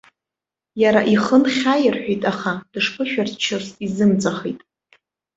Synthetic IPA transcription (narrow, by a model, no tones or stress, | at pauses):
jaɾaʔiχənχʲajɪrħʷᶣijtʼaχad̥ɨʂpʰɨʃᶣartʰt͡ʃʰasʼizɨmt͡sʼaχḛjtʼ